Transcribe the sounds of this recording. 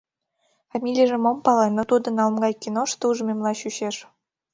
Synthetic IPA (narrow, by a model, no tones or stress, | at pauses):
fɑmʲilʲijəʐĕmŏmpɑlˠɑnot̪ud̪ɤ̆nɑlˠmɡɑjkʲinoʂt̪ɤuʐmʲemlˠɑɕyɕeʂ